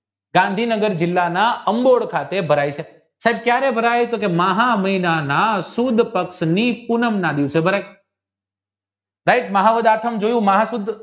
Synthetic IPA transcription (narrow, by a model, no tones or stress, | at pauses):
ɡãnd̪ʱinəɡəɾd͡ʒɪlːanaəmboɭkʰat̪ebʱəɾajt͡ʃʰe | saɦeb̚kjaɾebʱəɾajt̪okemaɦaməinanasud̪ʱpəkʃnipunəmnãd̪jũt͡ʃʰebʱəɾaj | d̪aikməɦaʋəd̪aʈ̪ʰəmd͡ʒojũməɦãsud̪ʱ